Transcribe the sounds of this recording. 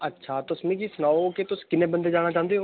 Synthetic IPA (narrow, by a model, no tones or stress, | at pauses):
ətːʃʰaːt̪ʊsmĩːkisənaːoket̪ʊskɪnẽːbənd̪eːd͡ʒaːɽ̃aːt͡ʃãːnd̪eːɦo